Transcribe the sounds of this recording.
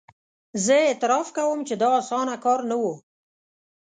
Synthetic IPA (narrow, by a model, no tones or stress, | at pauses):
zəet̪ɪɾɑfkawəmt͡ʃed̪ɑːsɑnakɑɾnawo